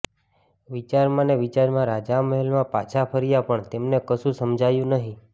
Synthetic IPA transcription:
ʋit͡ʃaɾmãneʋit͡ʃaɾmãɾad͡ʒaməɦɛlmãpa̰t͡ʃʰapʰəɾijapəɳt̪emnekəʃũsəmd͡ʒʱajũnəɦĩ

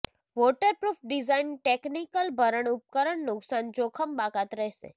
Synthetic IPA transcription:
ʋoʈəɾpɾufʰɖizainʈeknikəlbʱəɾəɳʊp̚kəɾəɳnʊksand͡ʒokʰəmbakat̪ɾəɦsḛ

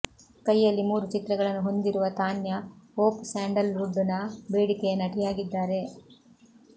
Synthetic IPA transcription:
kɐjːɐlːimuːɾut͡ʃit̪ɾɐɡɐɭɐnːuɦo̞nd̪iɾuʋɐt̪aːnjɐoːpsaːɳɖɐluɖːunɐbeːɽikejɐnɐʈijaːɡid̪ːaːɾe̞

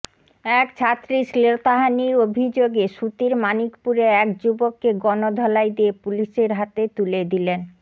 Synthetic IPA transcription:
ɛkt͡ɕʰat̪ːɾiʃlet̪aɦaniɾobʱid͡ʑoɡeʃut̪iɾmanikpuɾeɛkd͡ʑubokːeɡɔnod̪ʱɔlajd̪iepuliʃeɾɦat̪et̪uled̪ilen

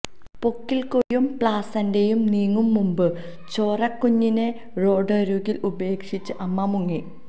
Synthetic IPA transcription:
po̞kːilkojumpɭaːsɐnde̞jumniːŋːumːumbɨ | t͡ɕo̞ːrɐkːuɲːine̞ | ro̞ːɖɐɾuɣilube̞ːkʂit͡ɕːɨʔɐmːɐmuŋːi

